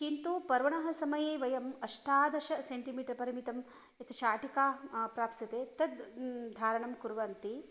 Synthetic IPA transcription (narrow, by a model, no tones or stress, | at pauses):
kint̪upɐɾʋɐɳɐɦɐsɐmɐjeːʋɐjɐmɐʂʈʰaːd̪ɐʃɐseɳʈimiːʈɐɾpɐɾimit̪ɐm | it̪iʃaːʈikaːpɾaːpsɐt̪eːt̪ɐd̪d̪ʱaːɾɐɳɐmkuɾʋɐnt̪i